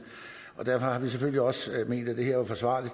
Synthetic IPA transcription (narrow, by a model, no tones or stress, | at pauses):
ʔɒ̽d̥æɐfɒ̽hɑ̈ʋis̬eføl̰liɒ̽sme̝̰ːnd̥æd̥e̝hɛɐ̰ʋɑ̈fɒ̽sʋɑ̰̈ːli̥